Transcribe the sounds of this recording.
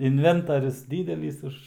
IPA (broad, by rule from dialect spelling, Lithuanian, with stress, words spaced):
ɪnʲˈʋʲɛntɐrʲʊs ˈdʲiːdʲɛlʲiːs ˈʊʃ